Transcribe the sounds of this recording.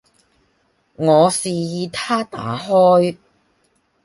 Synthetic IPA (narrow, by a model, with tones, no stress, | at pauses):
ŋɔː˨˧siː˨jiː˨˧t̪ʰaː˥t̪a̰ː˨˥ɦɔː˥j